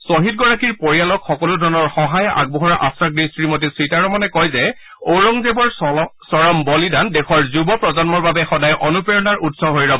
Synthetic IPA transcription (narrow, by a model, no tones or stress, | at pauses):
soɦit̚ɡɔɹakiɹpoɹijalɔkxɔkɔludʱɔɹnɔɹxɔɦajʔa̰ɡ̚bɔɦɔɹaʔa̰stɹaɡɹisɹimot̬isɹitaɹɔmɔnɛkɔjzɛ | oɹɔŋzebɔɹsɔɹɔmbɔlidandɛxɔɹzubɔpɹɔzɔnmɔɹbabɛxɔdajʔɔnupeɹɔnaɹʔutsɔbɦojɹɔbɔ